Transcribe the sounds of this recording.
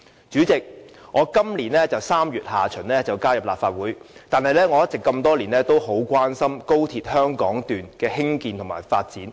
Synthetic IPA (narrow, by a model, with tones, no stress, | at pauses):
t͡ʃyː˨˥t͡sɪ˨k̚ŋɔː˨˧kɐ˥mliː˨˩nlɛː˥t͡sɐ˨wsaː˥mjyː˨t̚haː˨t͡ʃʰɵ˨˩nlɛː˥t͡sɐ˨wkaː˥jɐ˨p̚la̰ː˨p̚faː˧t̚wuː˨˥jt̪aː˨nhɐ˨jlɛː˥ŋɔː˨˧jɐ˥t̚t͡sɪ˨kːɐ˧mt̪ɔː˥liː˨˩nlɛː˥t̪o˥wɦo˨˥wkʷwaː˥nsɐ˥mko˥wt̪ʰiː˧t̚hœː˥ŋkɔː˨˥ŋt̪yː˨˩nkɛː˧ɦɪ˥ŋkiː˧nt̪ʰŋma̰ː˨˩jfaː˧t̚t͡siː˨˥n